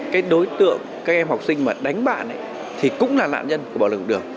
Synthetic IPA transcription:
kaː˨˦jɗo˨˦jt̪ɨ̰˧˨əŋ | kaː˦˥k̚ʔɛ˧mha˨˩wk͡p̚sï˧ŋ̟maː˨˩ɗa˨˦jŋ̟ɓa̰ː˧˨nʔə̰˧˨˦j | t̪ʰi˨˩kʊ̰˧˥ŋ͡mlaː˨˩la̰ː˧˨nɲə˧nku˧˩ɓaː˧˩l̚ɗɨ˨˩əŋ

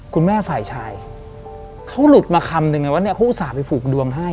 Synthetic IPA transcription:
kʰu˧nmɛː˥˩faː˨˩jt͡ɕʰaː˧j | kʰa˦˥wlu˨˩t̪̚maː˧kʰa˧mnɯ˧ŋːa˧jwa˦˥ni˦˥ɐkʰa˦˥wʔuː˧˥saː˩˦pa˧jpʰuː˨˩k̚du˧əŋɦa˥˩j

